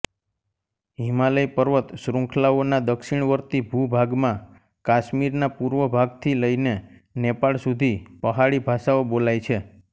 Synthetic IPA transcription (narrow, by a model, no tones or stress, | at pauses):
ɦimaləjpəɾʋət̪sɾũŋkʰlaonad̪əkʃiɳ̃ʋəɾt̪ibʱubʱaɡmã | kaʃmiɾnapuɾʋəbʱaɡt̪ʰiləine | nepaɭsud̪ʱipəɦaɭibʱaʃaobolajt͡ʃʰe